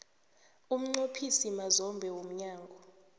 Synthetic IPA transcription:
um̩ŋ͡ǀopʰisimazɔmbʱɛwom̩ɲaːŋɡʱɔ

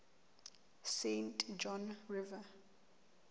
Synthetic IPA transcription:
sẽntʰd͡ʒɔ̃nɹiva

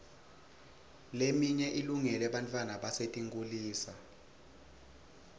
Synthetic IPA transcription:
lemiɲɛʔiluŋɛlɛɓantʼwanaɓasetʼiŋɡʼuliːsa

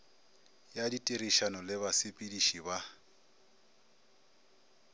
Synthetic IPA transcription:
jaditʼiriʃanɔlɪβasɪpʼidiʃiba

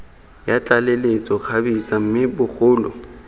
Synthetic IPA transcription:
jat͡ɬʼalelet͡sʼɔk͡xʰabit͡sʼam̩mɪbʊk͡xʰʊːlɔ̰

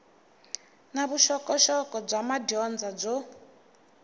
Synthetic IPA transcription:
naβuʃɔkʼɔʃɔkɔb͡ʐamadɔnd͡zad͡zo

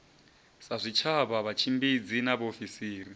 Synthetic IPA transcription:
sazʷit͡ʃʰaβaβat͡ʃʰimbid͡zinaβofisiːri

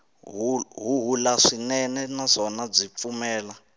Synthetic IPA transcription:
ɦuɦuɦulaʂinɛnɛnaʂɔnab͡ʐip̪fumɛːla

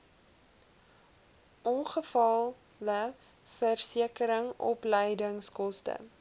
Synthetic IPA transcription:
ʔɔnχəfɐlˠ | lə | fərsiəkəɾəŋɔ̰pləjdəŋskɔstə̰

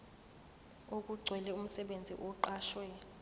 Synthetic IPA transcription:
ok̬ʼuɡ͡ǀʱwɛlɛum̩sɛɓend͡zʱḭʔɔǃaːʃwɛ

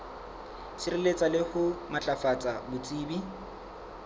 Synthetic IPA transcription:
sirɪlet͡sʼalɪhʊmat͡ɬʼafat͡sʼabʊt͡sʼiːbi

